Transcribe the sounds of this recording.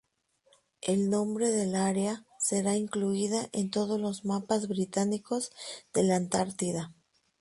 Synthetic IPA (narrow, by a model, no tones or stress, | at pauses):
e̞lnõ̞mbɾe̞ðe̞laɾease̞ɾaiŋkluiðaʔe̞nt̪o̞ð̞o̞zlo̞zmapazβɾit̪aniko̞zðe̞lant̪aɾt̪iða